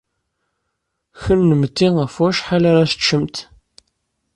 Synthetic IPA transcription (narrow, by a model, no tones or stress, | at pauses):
çənːəmət̪ːiəfæʃħalaɾæsət͡ʃːəmt̪